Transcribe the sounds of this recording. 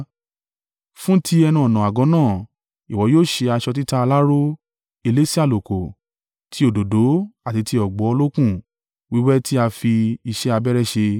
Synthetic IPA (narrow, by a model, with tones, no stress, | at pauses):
fũ˦tʰi˧˦ɛ˧nũ˧ɔ˨nã˨a˨ɡɔ̃˨˦nãː˦˨ | i˨wɔ˨˦joː˦˨ʃe˧a˧ʃɔ˧t̬i˦ta˦a˧la˦ɾo˦ | e˧le˦si˦a˦˨lo˨ko˨ | tʰi˨˦o˦˨do˨do˨˦a˦˨ti˨˦ti˧ɔ˨ɡ͡bɔ˨˦ɔ˧lo˦kũ˦˨ | wi˨˦wɛ˦ti˦a˧fi˧i˧ʃɛ˦a˧bɛ˦ɾɛ˦ʃe˧